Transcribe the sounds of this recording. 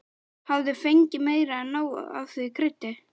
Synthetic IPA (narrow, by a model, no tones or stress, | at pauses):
havðɪfejɲcɪmeːjɾanːaːw̰a̰wθvɪkʰɾɪht̪ːɪ